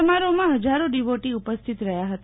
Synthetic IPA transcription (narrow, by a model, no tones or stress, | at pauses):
əmaɾomãɦəd͡ʒaɾoɖiʋoʈiupəst̪ʰit̪ɾəɦjaɦət̪a